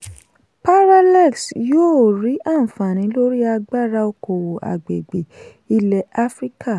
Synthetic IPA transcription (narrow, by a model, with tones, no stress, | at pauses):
pa˦ɾa˦lɛ˦˨ksjoː˦˨ɾi˨˦ʔa˦˨fã˨nĩ˨˦lo˦ɾi˦a˧ɡ͡ba˦˨ɾa˧o˧ko˨wo˨ʔa̰˨ɡ͡bḛ˨ɡ͡be˨ | i˧lɛ˨a˦fɾi˦kʰa˦˨